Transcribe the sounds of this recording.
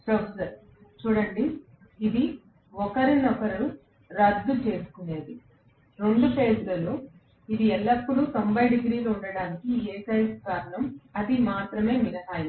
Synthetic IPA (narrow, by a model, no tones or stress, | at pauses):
sɐsɐɾ | t͡ʃuːɽɐɳɖiː | d̪i | ɔkɐɾinɔkɐɾɐɾu | ɾɐd̪ːut͡ʃe̞ːsu̥kune̞ːd̪i | ɾo̞ɳɖupe̞ːd͡ʒlɐlːoː | id̪iɛlːɐpːuɽut̪ombɐjɖiɡɾiːlouɳɖɐɽaːnikieːkɐjskaːɾɐɳɐmɐd̪imaːt̪ɾɐme̞ːminɐɦaːjɐ